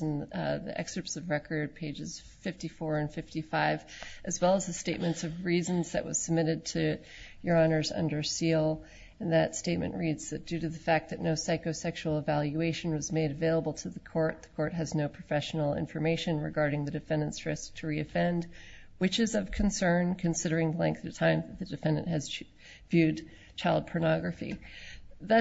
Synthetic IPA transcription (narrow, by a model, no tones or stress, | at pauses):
n̩ðḭʔɛ̰kstə˞psʌvɹɛkʰə˞d̚pʰeɪd͡ʒɨz̥ | fɪftifɔɹɨ̃nfɪftifaɪv̥ʔɨzwɛlˠəzðɨsteɪt̚mɨ̃ntsʌvɹiz̃nzðɨ̰ʔwʌ̰z̥səb̚mɪɾɨd̚tʰɨ | jə˞ɑnə˞zʌ̰̃ndə˞silˠ | ɨ̃nðɨtsteɪt̚mɨ̰̃nʔɹidz̥ðɨt̚d̥ʉɾɨðɨfæk̪̚ðɨtⁿnoʊsaɪkoʊsɛkʃul̩ˠəvælˠjʉeɪʃn̩wʌzmeɪɾɨveɪlˠəbl̩ˠtʰɨðɨkʰɔɹt̪̚ðəkʰɔɹt̚ɦɨznoʊpʰɹ̥ɨfɛʃn̩l̩ˠɪ̰̃ɱfə˞meɪʃɨ̃nɹɨ̰ɡɑɹɾɪ̃ŋðɨdɨfɛ̃ndɨ̃ntsɹɪsk̚tʰɨɹiɨfɛ̃nd | wɨt͡ʃɨzʌv̥kʰɨ̃n̩sɜ̃˞nkʰɨ̃nsɪɾə˞ɪ̃ŋðəlɛ̃ŋk̚θɨvtʰãɪ̃mðɨt̪̚ðɨdɨfɛ̃ndɨ̰̃nʔɨz | vjʉd | t͡ʃʰaɪlˠd̚pʰə˞nɑɡɹɨfḭ | ðɨ